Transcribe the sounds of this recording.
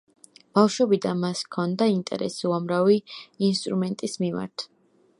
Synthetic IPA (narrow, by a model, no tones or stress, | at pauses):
b̥afʃwɛbid̪anmaskʰɔnd̪aint̪ʼɛ̰ɾɛ̰suamɾaviːnst̪ʼɾumɛnt̪ʼismima̰ɾt̪ʰ